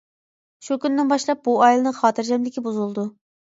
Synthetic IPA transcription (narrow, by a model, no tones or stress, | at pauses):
ʃukʲynd̪ɪnbɑʃlˠɑp̚buɑjilˠɨnɨŋχɑːt̪ʰɨɾd͡ʒɛmlɪkʲibuzulˠd̪u